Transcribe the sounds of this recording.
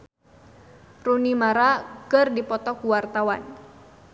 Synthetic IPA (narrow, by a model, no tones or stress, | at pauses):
runimaɾakərdipɔt̪ɔkuwart̪awa̰n